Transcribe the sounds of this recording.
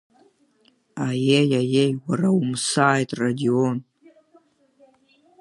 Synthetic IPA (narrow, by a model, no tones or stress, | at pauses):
ajejajejwaraumsaːjtʼradion